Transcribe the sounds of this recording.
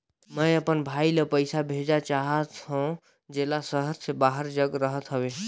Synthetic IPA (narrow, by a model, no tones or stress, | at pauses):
məəpənbʱailepəjsabʱed͡ʒat͡ʃaɦət̪ɦõ | d͡ʒelasəɦəɾsebaɦəɾd͡ʒəɡɾəɦət̪ɦəbe